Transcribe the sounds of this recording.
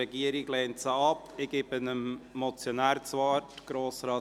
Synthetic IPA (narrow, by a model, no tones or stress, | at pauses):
ɛɡiəɾɪɡlɛːntsəɑpɪɡ̥ɪpənəmmɔt͡sjonæːɾt͡sʋɑːtɡ̥ɾoːsɾɑː